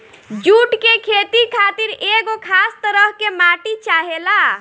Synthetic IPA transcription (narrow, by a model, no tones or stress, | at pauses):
d͡ʒuʈkekʰet̪ikʰat̪iɾeɡokʰast̪əɾəɦkemaʈit͡ʃaɦela